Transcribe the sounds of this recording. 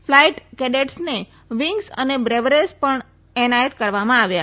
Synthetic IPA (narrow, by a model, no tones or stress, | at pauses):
flaiʈkɛɖeʈsne | ʋiŋɡsə̰nebɾeʋɾespəɳ | ɛnajət̪kəɾʋamãaʋja